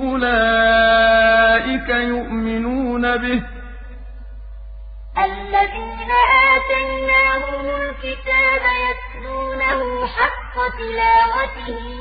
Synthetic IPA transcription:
ʔʊlaː | ʔɪkajʊʔmɪnuːnabɪh | ʔalːaðiːnaʔaːt̪ajnaːhʊmʊlkɪt̪aːbajasluːnahʊmħɑqːɑt̪ɪlaːwat̪ɪh

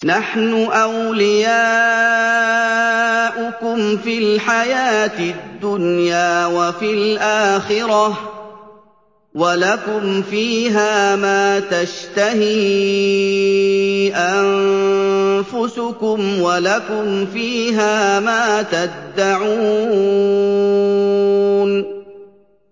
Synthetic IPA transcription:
naħnʊʔawlɪjaː | ʔʊkʊmfilħajaːt̪ɪd̪ːʊnjaːwafilʔaːxɪɾɑ | walakʊmfiːɦaːmaːt̪aʃt̪ahiː | ʔan | fʊsʊkʊmwalakʊmfiːɦaːmaːt̪abd̪ːaʕuː | n

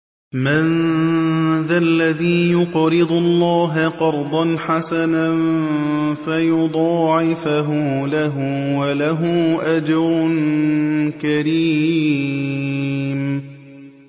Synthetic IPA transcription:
man | ðalːaðiːjʊqɾɨd̪ˤʊlˤːɑːɦaqɑɾˤd̪ˤɑnħasanan | fajʊd̪ˤɑːʕɪfaɦʊlaɦʊwalaɦʊʔad͡ʒɾʊn | kaɾiː | m

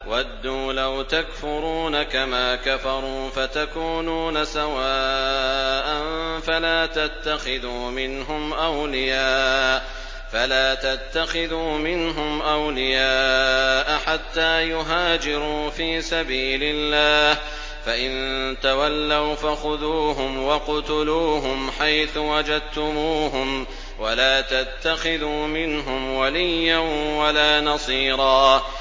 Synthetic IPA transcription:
wad̪ːuːlawt̪akfʊɾuːnakamaːkafɑɾˤuːfat̪akuːnuːnasawaː | ʔanfalaːt̪at̪ːaxɪðuːmɪnɦʊmʔawlɪjaːʔ | falaːt̪at̪ːaxɪðuːmɪnɦʊmʔawlɪjaːʔaħat̪ːaːjʊɦaːd͡ʒɪɾuːfiːsabiːlɪlːaːh | faʔɪnt̪awalːawfaxʊðuːɦʊmwɑqʊt̪ʊluːɦʊmħajθʊwad͡ʒad̪̚t̪ʊmuːɦʊm | walaːt̪at̪ːaxɪðuːmɪnɦʊmwalijːanwalaːnɑsˤiːɾˤɑː

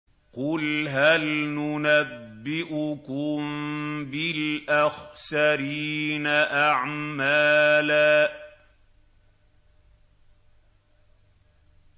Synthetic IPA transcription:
qʊlɦalnʊnabːɪʔʊkʊmbɪlʔaxsaɾiːnaʔaʕmaːlaː

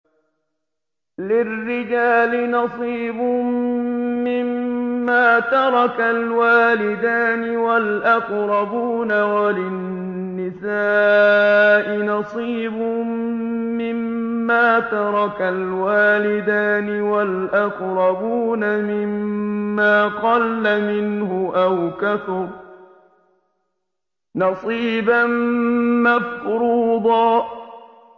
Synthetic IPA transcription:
lɪrːɪd͡ʒaːlɪnɑsˤiːbʊ | mɪmːaːt̪ɑɾˤɑkalwaːlɪd̪aːnɪwalʔɑqɾˤɑbuːnawalɪ | nːɪsaː | ʔɪnɑsˤiːbʊ | mɪmːaːt̪ɑɾˤɑkalwaːlɪd̪aːnɪwalʔɑqɾˤɑbuːnamɪmːaːqɑlːamɪnhʊʔawkaθʊɾ | nɑsˤiːbanmafɾuːd̪ˤɑː

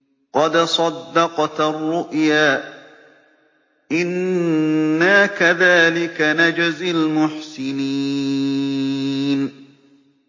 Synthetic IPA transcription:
qɑd̪sˤɑd̪ːɑqt̪arˤːʊʔjaː | ʔɪnː | akaðaːlɪkanad͡ʒazɪlmʊħsɪni | n

